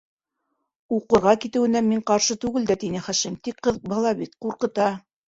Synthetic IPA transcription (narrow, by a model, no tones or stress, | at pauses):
uqɤ̆ɾʁɑkit̪ɘ̆wɘ̆næmiɴqɑɾʃɤt̪ʉɡɘld̪æt̪inɘχæʃɘmt̪ikqːɤ̆ð̚bɑ̆lˠɑβit̪quɾqɤ̆t̪ɑ